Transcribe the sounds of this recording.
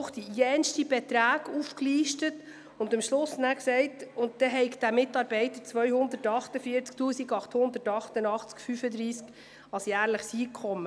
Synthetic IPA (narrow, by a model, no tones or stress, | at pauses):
χd̥ijɛnʃtibɛt̪ɾæːɡufkliːʃtət | ʊnd̪əmʃlʊsnæksɛɪtʊnt̚dɛɦɛɪkd̥̪æmɪtɑːɾbɛɪtət͡sʋœʏhʊnd̪ətɑχtəfiːəɾt͡sktuːsiɡɑχthʊnd̪əɾtɑχtənɑχt͡skfyfəd̪ɾiːsk | ɑsjæːɾləχsiːkʰχɔmːə